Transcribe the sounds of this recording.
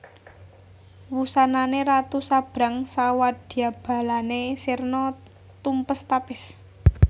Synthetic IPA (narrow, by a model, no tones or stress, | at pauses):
wusananeɾat̪usab̥ɾa̤ŋsawad̪̥i̤ab̥a̤lanesirnɔ | t̪umpəst̪apɪs